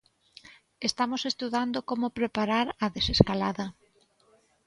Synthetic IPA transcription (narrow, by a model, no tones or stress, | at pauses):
est̪amosest̪uðand̪okomopɾepaɾaɾɐðeseskalaðɐ